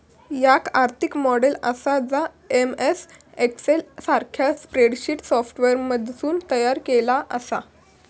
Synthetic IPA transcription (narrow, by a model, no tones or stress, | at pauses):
jakaɾt̪ʰikmɔɽelə̰sad͡za | emes | ekselsaɾkʰjaspɾeɽɕiːʈsɔfʈʋeɾməd̪ʱsuːnt̪əjaɾkelaʔəsa̰